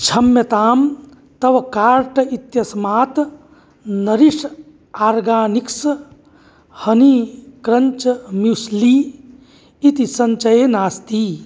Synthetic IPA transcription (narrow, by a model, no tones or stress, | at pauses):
t͡ʃʰɐmjɐt̪aːm | t̪ɐʋkaːɾʈit̪jɐsmaːt̪ | nɐɾis | aːɾɡaːniks | hɐnikɾənt͡ʃmjusli | it̪isɐnt͡ʃɐjenaːst̪i